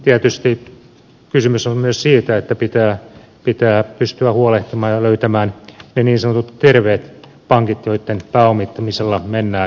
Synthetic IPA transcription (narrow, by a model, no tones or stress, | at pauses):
t̪iæt̪yst̪i | kysymysonmyøssiːt̪æet̪ːæpit̪æː | pit̪æːpyst̪yæhuoleht̪imɑːjɑløyt̪æmæːnneniːnsɑnot̪ut̪t̪erʋeːt̪ | pɑŋkit̪joit̪ːenpæːomit̪ːɑmiselːɑmenːæː